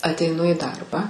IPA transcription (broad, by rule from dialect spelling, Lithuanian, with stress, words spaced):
ɐtʲɛɪˈnʊ iː ˈdɐrbɑː